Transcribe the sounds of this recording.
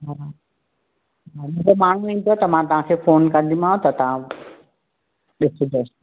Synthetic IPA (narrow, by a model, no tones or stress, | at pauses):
ɦa | ɦamʊ̃ɡomaːɳ̤uĩːn̆d̪ot̪ɐmãt̪ɐʋ̤ɦãkʰeːfoːnkɐ̃nd̪ʱimãːɦõt̪ɐt̪ɐʋ̤ã | ɗɪsʊd͡ʑes